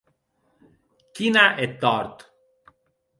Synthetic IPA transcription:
kinaʔɛt̪ːɔɾt̪

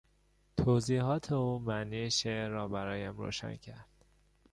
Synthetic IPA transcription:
t̪ʰoːziːɦɒːt̪ʰeuːmæniʃeːɒːbæɾɒːjæmɾo̰ːʃæ̰ncʰæɾd̪̥

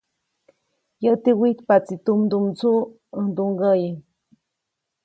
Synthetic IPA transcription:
jət̪iwit̪pat͡sit̪umd̪umt͡su | əd̪uŋɡəji

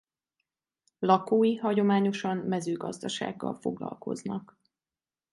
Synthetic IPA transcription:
lɒkoːjiɦɒɟo̞maːɲo̞ʃɒmːɛzøːɡɒzd̪ɒʃa̰ːɡːɒ̰lfo̞ɡlɒ̰lko̞znɒk

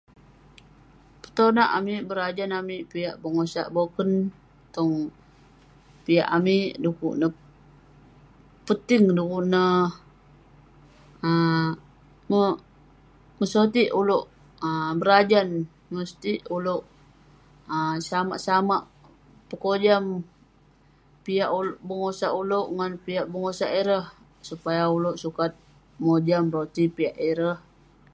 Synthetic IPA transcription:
pə̥t̪onaʔamiʔbəɾad͡ʒanamiʔpijaʔbəŋosa̰ʔbokən | t̪ɔŋ | pija̰ʔamiʔdukṵʔnə | pət̪ɪŋdukuʔnə | ə | mə | məsot̪iʔuloʔ | əbəɾad͡ʒan | məst̪iʔuloʔ | əsama̰ʔsamaʔ | pəkod͡ʒam | piaʔulbəŋosaʔuloʔŋanpiaʔbəŋosaʔiɾəh | supajauloʔsukat̪̚ | mod͡ʒamɾot̪ipiaʔiɾəh

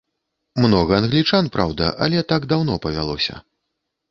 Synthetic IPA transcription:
mnɔɣɐːnɣlʲit͡ʂanpɾa̰wd̪ɐ̰ʔɐ̰lʲɛt̪aɡd̪awn̪ɔpɐvʲa̰lˠɔ̰sʲɐ̰

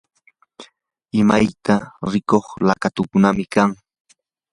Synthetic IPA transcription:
ɪmajt̪aɾɪkoχlakat̪ʊkʊnamɪkaŋ

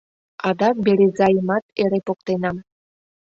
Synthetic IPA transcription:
ɑd̪ɑbeɾezɑjəmɑt̪eɾepok̚t̪enɑm

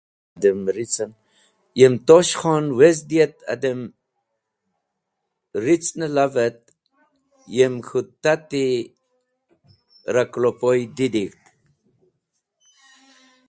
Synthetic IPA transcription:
d̪əmɾit͡sən | jemt̪oʃχɔnwes̬d̪iət̪a̰d̪əm | ɾit͡snəlavət̪̚ | jemxut̪ːat̪i | ɾaklopojd̪id̪ikt̪

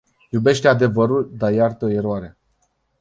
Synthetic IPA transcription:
jube̞ʃt̪ead̪e̞vəɾuld̪ajart̪oeɾoaɾe

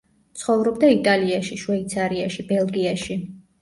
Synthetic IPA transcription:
t̪sʰχɔvɾɔbd̪ait̪ʼaliaʃiʃwɛit̪sʰaɾiaʃibɛlˠɡiaʃi

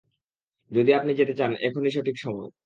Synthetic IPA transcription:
d͡ʑod̪iapnid͡ʑet̪et͡ɕanɛkʰoniʃ̬oʈʰikʃɔmɔe

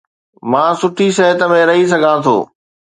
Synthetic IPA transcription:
mãːsʊʈʰiʃɐɦət̪ə̆mẽɾɐɦis̬ɐɡʱãt̪ʰo̰ː

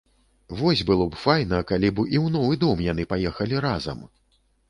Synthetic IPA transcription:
vɔsʲbɨlˠɔbfajnɐkalʲibʔiwn̪ɔvɨd̪ɔmjanɨpajɛxɐlʲiɾazɐ̰m

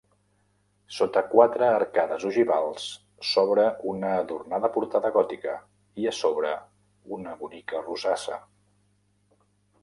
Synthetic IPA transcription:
sot̪əkwat̪ɾəːɾkaðəzuʒiβalˠs | sɔβɾəunəːðurnaðəpuɾt̪aðəɣɔt̪ikə | iəsoβɾə | unəβunikəruzasə̰

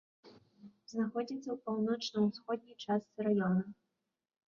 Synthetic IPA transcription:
znaxɔd͡zʲit̪sːɐwpawnɔt͡ʂnɨwsxɔd̪̚ʲnʲijt͡ʂast̪sɨɾajɔnɐ

